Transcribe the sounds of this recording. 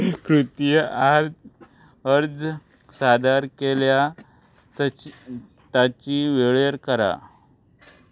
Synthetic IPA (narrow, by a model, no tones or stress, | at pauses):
kɾut̪jəaɾd͡z | əɾd͡z | sad̪aɾkelja | t̪at͡ɕiʋeɭeɾkəɾa̰